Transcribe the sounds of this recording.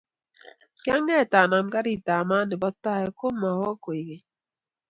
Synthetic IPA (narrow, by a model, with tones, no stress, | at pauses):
kja˦ŋɛ˦˨t̪aː˨na˨mka˦ɾi˨t̪aː˨maː˦nɪ˨bɔ˦t̪ːa˦ɛ˨ko˦ma˨hɔ˦ko˨i˨ɡe˨